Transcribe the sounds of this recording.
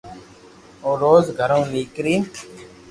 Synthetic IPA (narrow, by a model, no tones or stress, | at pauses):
oːɾoːzɡʱəɾõːʋiːkɾiː